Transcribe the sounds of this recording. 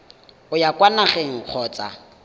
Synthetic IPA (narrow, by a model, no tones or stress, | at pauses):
ʊjakʼwanaχeŋ̩k͡xʰɔːt͡sʼa̰